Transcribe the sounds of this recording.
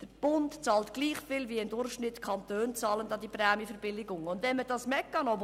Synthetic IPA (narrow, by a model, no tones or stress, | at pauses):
d̥əɾb̥ʊntt͡sɑːltɡ̥liːχfɪlviəɪndʊrχʃnɪtkʰɑntøːnt͡sɑːləndɑdiprɛːmjifəɾbɪlɪɡʊŋʊndvɛnmədɑsmɛkːɑnob